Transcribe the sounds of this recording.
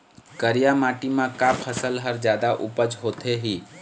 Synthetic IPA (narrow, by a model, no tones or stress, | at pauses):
kəɾijamaːʈimãkapʰəsəlɦəɾd͡ʒjaːd̪aʔʊpəd͡ʒɦoːt̪ʰeɦiː